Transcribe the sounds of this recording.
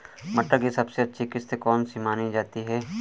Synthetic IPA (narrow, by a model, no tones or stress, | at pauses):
mɐʈːəkisɐbseɐtːʃʰikɪst̪kɔːnsimaːnid͡ʒaːt̪iɦɛː